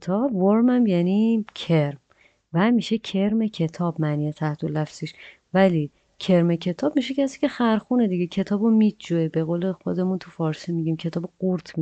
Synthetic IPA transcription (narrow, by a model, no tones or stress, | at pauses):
t̪ʰɒːbvoɾmæmjæniːcʰe̞ɾm | væmiːʃe̞cʰe̞ɾme̞cʰe̞t̪ʰɒːbmæniːjet̪ʰæht̪ʰolæfsiʃ | væli | cʰe̞ɾme̞cʰe̞t̪ʰɒːbmiʃ̬ecʰæsiːce̞xæɾxuːned̪iɟecʰe̞t̪ʰɒːbomid̪d͡ʒuebe̞ɣoːle̞xo̞d̪e̞munt̪ʰufɒːɾsimiɟimcʰe̞t̪ʰɒːbeɡoɾt̪ʰmi